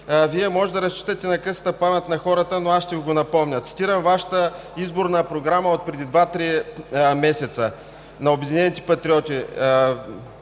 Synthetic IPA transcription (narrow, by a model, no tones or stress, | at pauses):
viɛmɔʒɛd̪ɐɾɐst͡ʃi̥t̪ət̪ɛnɐkɤsət̪əpamɛt̪nɐxɔɾət̪ənoasʃt̪ɛviɡonɐpɔmnʲət̪si̥t̪iɾəmvaʃə̥t̪ə | izboɾnəpɾoɡɾaməot̪̚pɾɛd̪id̪vat̪ɾimɛsɛt̪sə | nɐobɛd̪inɛnit̪ɛ̥pɐt̪ɾʲiɔt̪ʲi